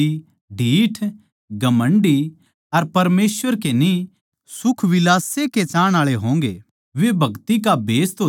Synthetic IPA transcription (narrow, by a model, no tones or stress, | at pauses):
i | ɖʱiːʈʰ | ɡɐmə̃ɳɖi | ɐɾpɐɾmeːsʋəɾkeni | sʊkʰʋɪlaːseket͡ʃaːɽ̃aːɭeɦõːŋɡḛː | ʋebʱɐɡt̪ik̬abeːst̪o